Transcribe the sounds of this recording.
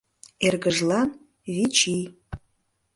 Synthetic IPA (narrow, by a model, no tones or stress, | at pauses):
erɣəʒlɑn | βit͡ʃij